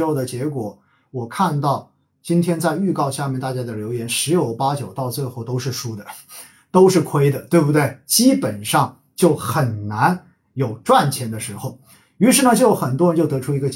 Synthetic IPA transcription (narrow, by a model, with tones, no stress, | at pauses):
o˥˩ʊd̪ə˩t͡ɕjɛ˧˥kwɔ˨˩˦ | wɔ˨˩kʰa˥˧nt̪ɑ˥˩ʊ | t͡ɕi˥nt̪ʰjɛ˥nt͡sa˥˧ɪy˥˧kɑ˥˧ʊɕja˥˧mjɛ˥˧nt̪a˥˩t͡ɕja˥d̪ə˨ljo˧˥ʊjɛ˧˥nʂɻ̩˧˥jo˨˩ʊpa˥t͡ɕjo˨˩ʊt̪ɑ˥˧ʊt͡swe˥˧ɪxo˥˩ʊt̪o˥ʊʂɻ̩˥˩ʂu˥d̪ə˨ | t̪o˥ʊʂɻ̩˥˩kʰwe˥ɪd̪ə˨t̪we˥˩ɪbu˧t̪̬we˥˩ɪt͡ɕi˥pə˨˩nʂɑ˥˩ŋ | t͡ɕjo˥˩ʊxə˨˩nna˧˥n | jo˨˩ʊʈ͡ʂwa˥˩nt͡ɕʰjɛ˧˥nd̪ə˧ʂɻ̩˧˥xo˥˩ʊ | y˧˥ʂɻ̩˥˩nə˨t͡ɕjo˥˩˥xə˨˩nt̪wɻə˧˥nt͡ɕjo˥˩ʊt̪ɤ˧˥ʈ͡ʂʰu˥i˧˥ɡə˧t͡ɕ